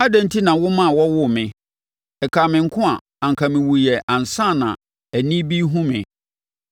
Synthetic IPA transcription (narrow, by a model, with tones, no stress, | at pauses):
a˦dɛ̃˦n̩˦tʰi˦nã˨wʊ˦mã˦˨wɔ˦wʊ˦mɪ̃˨ | ɛ˨kʰaː˨mɪ̃˨ŋ̩˦kʰʊ̃˦a˨ | ã˨ŋ̩˨kʰa˨mɪ̃˨wʊ˨jɛ˨ʔã˨n˨sã˦˨nã̰˨ | æ˨nĩ˦bi˦ɦũ˦mɪ̰̃˨